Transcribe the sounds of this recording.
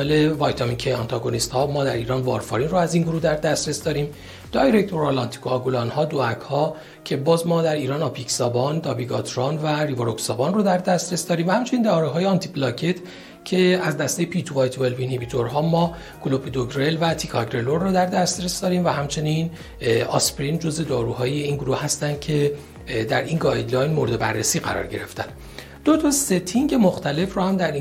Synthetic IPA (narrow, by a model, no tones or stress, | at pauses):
elevɒjt̪ʰɒmikʰejɒnt̪ʰɒɡonist̪hɒːmɒːd̪æɾiːɾɒːnvɒ̰ɾfɒ̰ɾinroæziːnɡuɾuːd̪æɾd̪æst̪ɾesd̪ɒːɾiːm | d̪̥ɒːjɾect̪ʰo̞ɾɑlɒnt̪ʰi̥kʰoɒɡulɒnhɒːd̪oækʰhɒː | cʰe̞bɒːzmɒːd̪æɾiːɾɒːnɒpʰiksɒːbɒːnd̪ɒːbiɡɒt̪ʰɾɒnværivoɾoksɒːbɒːnrod̪æɾd̪æst̪ɾesd̪ɒːɾiːmvæhæmt͡ʃʰe̞niːnd̪æɒːɾeɦɒːjeɒnt̪ʰiblɒːcʰe̞t̪ʰ | cʰe̞æzd̪æst̪ejepʰit̪ʰuvɒːjt̪ʰvelbinibit̪ʰoɾɦɒːmːɒː | kʰulopʰed̪oɡɾe̞lvæt̪ʰikʰɒɡɾeloɾːɔːd̪æɾd̪æst̪ɾesd̪ɒːɾiːmvæɦæmt͡ʃʰe̞nin | ɒspɾind͡ʒo̞zve̞d̪ɒːɾuːhɒːje̞iːnɡuɾuːhhæst̪ænd̪̥cʰe̞ | d̪æɾinɡɒjd̪lɒːjnmoɾed̪e̞bæ̰rːesiːɣæ̰ɾɒ̰ɾɟe̞ɾe̞ft̪æ̰nd̪̥ | d̪̥ot̪ʰɒse̞t̪ʰiŋɟe̞moxt̪ʰæle̞frɔːhæmd̪æɾi